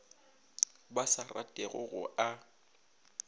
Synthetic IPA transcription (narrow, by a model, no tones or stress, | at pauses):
basara̰tʼɛɣʊ̰ɣʊʔa